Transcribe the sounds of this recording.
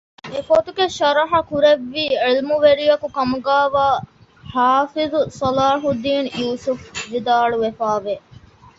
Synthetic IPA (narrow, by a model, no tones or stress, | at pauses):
efot̪uɡeʃɐɾɐɦɐkuɾeʋːiːilmuʋeɾijɐkukɐmuɡaːʋaː | haːfizusɐlaːɦud̪iːnjuːsufʋid̪aːɭuʋefaːʋe